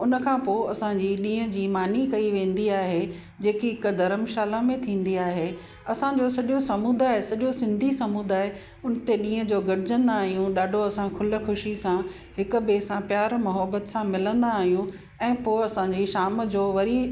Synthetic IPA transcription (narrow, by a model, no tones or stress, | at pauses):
ʊnəkʰãːpoːɐsãɲd͡ʑiɗĩːə̃d͡ʑiːmaːnikɐiʋẽːn̆d̪iaːɦe | d͡ʑeːkiɦɪkd̪ɐɾəmʃaːlamẽt̪ʰĩːn̆d̪iaːɦe | ɐsãd͡ʑoːsɐʄosɐmuːd̪aːɦesɐʄosɪ̃nd̪ʱisɐmuːd̪aːɦe | ʊnə̆t̪eɗĩːə̃d͡ʑoːɡɐɽɪd͡ʑə̃nd̪aːɦijũɗaːɖʱoɐsãkʰʊlə̆xʊʃisã | ɦɪkbeːsãpjaːɾmɐɦəbət̪sãmɪlə̃nd̪aːɦijũ | ɛ̃ːpoːɐsãd͡ʑiʃaːmd͡ʑoːʋɐɾi